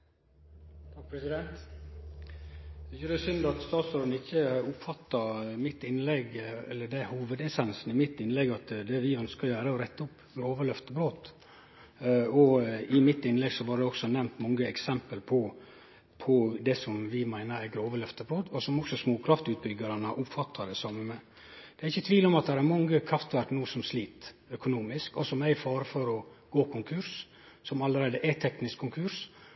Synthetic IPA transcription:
t̪ʰɑkpʰɾɛsɪd̪ɛnt̪ | d̪ɛçɛɾɛsʏnd̪ɑt̪st̪ɑːt̪soːɾd̪n̩ɪçːəʊpfɑt̪ːɑmɪt̪ːɪnlɛɡɛ̰lːəd̪ɛhuːʋəd̪ɛsɛnsn̩ɪmɪt̪ːɪnlɛɡɑt̪d̪ɛʋɪœnskəɾjøːɾəɔɾɛt̪ːəʊpː | ɡɾoːʋəɭœft̪əbɾoːt̪ | ɔɪmɪt̪ɪnlɛɡsɔʋɑːɾd̪ɛɔksɔnɛmt̪mɔŋːəɛksɛmpəlpʰɔ | pʰɔd̪ɛsɔmʋɪmæɪnəɾæɾɡɾoːʋəlœft̪əbɾoːt̪ɔsɔmɔksɔsmoːkʰɾɑft̪ʉːt̪̚bʏɡːɑɾɑnəʔʊpfɑt̪ʰːɑd̪ɛsɔm | d̪̥ɛæɾɪçːət̪ʰʋiːlɔmɑt̪̚d̪ɛɾæɾmɑŋːəkʰɾɑft̪ʋæɾknuːsɔmsliːt̪œkʊnuːmɪskɔsɔmæɪfɑːɾəfɔɾɔɡ̥oːkʰʊŋkʰʉɾs | sɔmɑlːəɾæɪd̪əʔæt̪ʰɛknɪskʰːʊŋkʰʉɾs

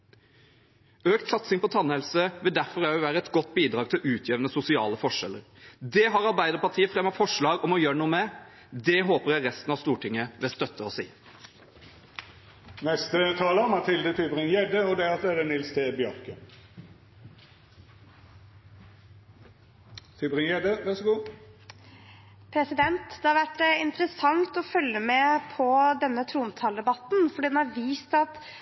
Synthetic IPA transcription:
øːkt̪sɑt̪sɪŋpʰɔt̪ʰɑnːhɛlsəʋɪld̪æʁfɔʁæɪʋæːɾəɛt̪ɡɔt̪ːbiːd̪ʁɑːɡ̚t̪ʰɪlʔʉːt̪ʰjeːʋnəsʊsɪɑ̰ːləfɔʂɛ̰lːə̰ʁ | d̪ɛːɦɑːʁɑʁbæɪd̪əʁpɑʈʰiːəfʁɛmɑfɔʂɭɑːɡɔmɔjøːəɳuːəmɛ | d̪ɛɦoːpəʁjæɪʁɛst̪n̩ɑʋst̪uːʈɪŋːəʋɛːst̪œt̪ʰːəɔːsḭː | nɛst̪ət̪ʰɑːləɔmɑt̪ʰɪld̪ət̪ʰybʁɪŋjɛd̪əɔd̪ɛɔsɛd̪ɛnɪlst̪ʰeːbjœʁkə | t̪ʰybʁɪŋjɛd̪əʋæʁsəɡuː | pʰɾɛsɪd̪ɛnt̪d̪̥ɛhɑɾʋæʈːɪnt̪ɾəsɑŋt̪ɔfœlːəmɛpʰɔd̪ɛnːət̪ʰɾuːnt̪ʰɑːld̪ɛbɑt̪n̩fɔɖiːd̪ɛnɑɾʋiːst̪ɑt̪

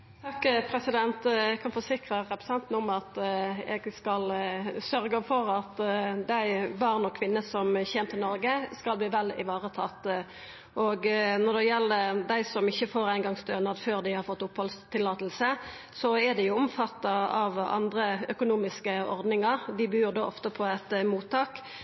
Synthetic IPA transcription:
t̪ʰɑkːpʰɾɛsɪd̪ɛnt̪ɛkʰɑnfɔsɪkʁəʁɛpɾəsɑnt̪n̩ʊmɑt̪ɛ̰ɡskɑlsœʁɡəfɔʁɑt̪d̪æɪʋɑʁnɔkʰːʋɪnːəsɔmçɛːnmt̪ʰːɪlnɔɾɡəskɑlbliːʋɛlɪ̰ʋɑːʁət̪ʰɑt̪ː | ʔoɡnɔʁd̪ɛjɛlːəd̪æɪsɔmɪçːəfoːɾæɪnɡɑŋst̪øːnɑd̪føːʁd̪æɪhɑɾfɔt̪ːʊphɔlst̪ʰɪlːɑːt̪əl̩sə | sɔɛd̪ɛjʊɔmfɑt̪ːɑɑʋɑ̰nd̪ʁəœkʊnuːmɪskəɔ̰ʁd̪nɪŋɑʁd̪ɪbyːʁd̪oːʔɔft̪əpʰɔɛt̪muːt̪ʰːɑːk

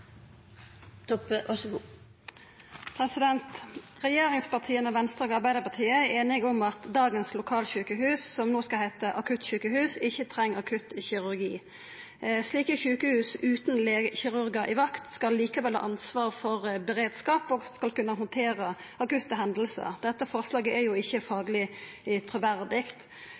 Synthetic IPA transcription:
t̪ʰɔpəʔɑʂɡuː | pʰʁɛsɪd̪ɛnt̪ʁɛjeːʁɪŋspɑʁt̪ʰiːənəʋɛnst̪ʁoːɡɑʁbæɪd̪əpɑʁt̪ʰiːəæeːnɪɡʊmɑt̪d̪ɑːɡənslʊkʰɑːlɕʉːkəɦʉːsːɔmnoːskɑlhæɪt̪əʔɑkʰʉt̪çʉːkəhʉːsɪçːət̪ʰʁɛŋːɑkʰʉt̪çɪʁʉʁɡḭː | sliːkəçʉːkəhʉːsʉːt̪nleçɪʁʉɾɡəɾʔɪʋɑkt̪skɑlːiːkɑʋɛlhɑ̰ʔɑnsʋɑːʁfɔʁbɛɾeːd̪skɑːpɔskɑlkʉnːəɦʊnt̪ʰeːʁə | ʔɑkʉt̪ːəɦɛnd̪əl̩sə̰ʁd̪ɛt̪ːəfɔʁslɑːɡəæjʊɪçːəfɑːɡlɪ | t̪ʰɾʊʋæʁd̪ɪkt̪

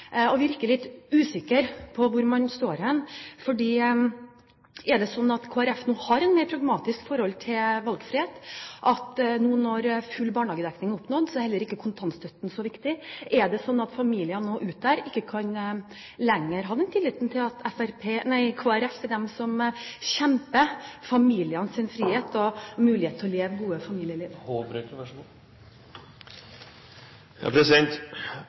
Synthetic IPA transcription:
ɔʋɪɾkəlɪt̪ːʉːsɪkːəɾpʰɔʋʊɾmɑnst̪oːɾɛnfɔɖiː | ʔɛɖ̪ɛsɔnːɑt̪kʰoːæɾɛfnuːhɑɾɛnmeɪɾpʰɾɑɡmɑːt̪ɪskfɔɾhɔlt̪ʰɪlʋɑlɡfɾɪheːt̪ʔɑt̪nuːnɔɾfʉlːbɑːɳhɑːɡəd̪ɛknɪŋʊpnoːd̪sɔɛɾhɛlːəɾɪkːəkʰʊnt̪ʰɑnst̪ʰœt̪ːn̩sɔʋɪkt̪ɪʔɛɖ̪ɛsɔnːɑt̪fɑmiːlɪənoːʔʉːt̪̚d̪æɾɪkːəkʰɑn | lɛŋːəɾɦɑd̪ɛnt̪ʰɪlːiːt̪n̩t̪ʰɪlɑt̪ʰɛfæɾpʰeːnæɪkʰoːæɾɛfɛd̪ɛmsɔmɕɛmpəfɑmiːlɪənsɪnfɾiːheːt̪ɔmʉːlɪheːt̪ʰɔleːʋɡuːəfɑmiːljəliːhoːbɾøt̪ʋæʂɑ | jɑ̰ːpʰɾɛsɪd̪ɛnt̪

